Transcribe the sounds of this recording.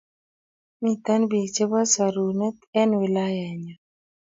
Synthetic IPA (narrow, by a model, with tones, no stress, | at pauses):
mi˨t̪a˦nbi˨t͡ʃe˦ba˦sa˨ɾu˨nɛ˦t̪ɛ˦nwɪ˨la˦jɛ˨ɲa˨